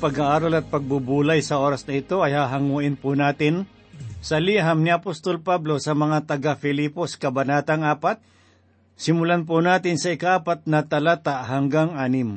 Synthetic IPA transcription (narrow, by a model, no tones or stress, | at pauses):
pɐɡaʔaːɾalɐt̪̚pɐɡ̚bubuːlajsɐʔo̞ːɾɐsnɐɪt̪o̞ɐjhaɦɐŋuːʔɪnpʊnaːt̪ɪn | sɐliɦamnɪɐpost̪olpablo̞sɐmɐŋat̪ɐɡafɪliːposkɐbɐnaːt̪aŋʔaːpat̪̚ | sɪmʊlanp̬ʊnaːt̪ɪnsɐɪkaʔaːpat̪̚nɐt̪ɐlaːt̪aʔhɐŋɡaŋʔaːnɪm